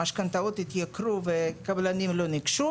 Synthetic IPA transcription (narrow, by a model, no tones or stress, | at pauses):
aʃkant̪aot̪it̪jakɾuvekablanimlonikʃu